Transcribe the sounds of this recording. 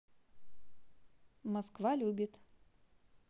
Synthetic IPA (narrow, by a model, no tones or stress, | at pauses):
mɐskvalʲubʲɪt̪